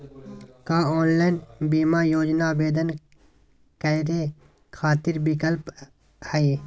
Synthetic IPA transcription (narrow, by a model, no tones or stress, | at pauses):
kaːɔːnlaːjnbiːmaːjoːd͡ʒnabeːd̪ən | kəɾe | kʰaːt̪ɪɾbɪkəlp | həiː